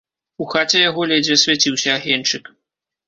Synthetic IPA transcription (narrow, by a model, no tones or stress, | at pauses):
uxat͡sʲɛjaɣɔlʲɛd͡zʲvʲɛsʲvʲat͡sʲiwsʲɐːɣʲɛnt͡ʂɨk